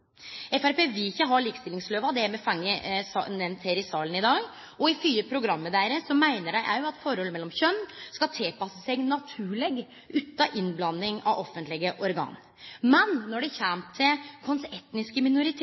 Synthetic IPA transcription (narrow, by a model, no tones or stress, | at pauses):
ɛfæɾpeːʋɪɪçːəɦɑɭiːkst̪ɪlɪŋsløːʋɑd̪ɛæɾmɛfɑŋːəsɑ̰nɛmnt̪heːɾɪsɑːlənɪd̪ɑːɡ | ɔɪfyːəpʰɾʊɡɾɑmːəd̪æːɾəsɔmæɪnəɖæɪʔæ̰ɪjʊɑt̪fɔɾɔlːəmɛlːɔmçœnːskɑt̪ʰɪlpɑsəsæɡnɑt̪ʰʉːɭɛɡ | ʔʉːt̪ːɑʔɪnblɑnːɪŋɑ̰ʋɔfːənt̪lɪɡəʔɔɾɡɑ̰ːn | mɛnːɔɖɛçæmt̪ʰɪlkʰɔnsɛt̪nɪskəmɪnʊɾɪt̪ʰ